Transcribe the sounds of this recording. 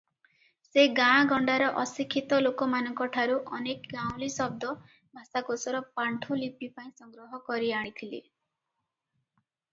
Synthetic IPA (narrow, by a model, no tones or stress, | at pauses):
seɡãɡɔɳɖaɾɔʔɔsikʰːit̪ɔlokɔmanɔŋkɔʈʰaɾuʔɔnekɡãw̃lisɔb̚d̪ɔ | bʱasakosɔɾɔpaɳʈʰulipipaĩsɔŋɡɾɔɦɔkɔɾiaɽ̃it̪ʰile